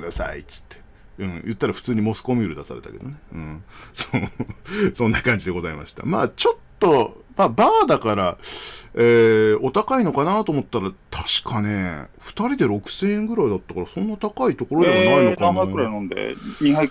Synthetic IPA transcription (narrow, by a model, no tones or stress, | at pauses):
ɯd̪asa̰ḭt͡sɨ̥t̪ːe̥ | ɯ̟̃ːjɯ̟t̪ːaɾaɸɯ̟̥t͡sɨːɲ̟imo̞sɨ̥ko̞mʲiːɾɯd̪asa̰ɾe̞t̪a̰ke̞d̪o̞̰ne̞ɯ̟̃ːso | sõ̞nːakãɲ̟d͡ʑid̪e̞ɡo̞zaima̰ɕi̥t̪a̰ma̰ːt͡ɕo̞t̪ːo̞maːbaːd̪akaɾa | eːo̞t̪akaino̞kanaːt̪o̞ːmo̞t̪ːaɾat̪ʰḁɕi̥kʰaneɸɯ̟̥t̪aɾʲid̪e̞ɾo̞kɯ̟̥sẽ̞ːẽŋɡɯ̟ɾaid̪at̪ːakɑɾasõ̞nːat̪akait̪o̞ko̞ɾo̞d̪eβainokannõnd̪ḛɲiɦa